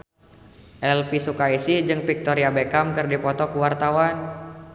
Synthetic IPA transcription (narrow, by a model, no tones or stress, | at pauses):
ʔɛlfisukaisid͡ʒɨŋpik̚t̪ɔɾiabekamkɨrdipɔt̪ɔkuwart̪awan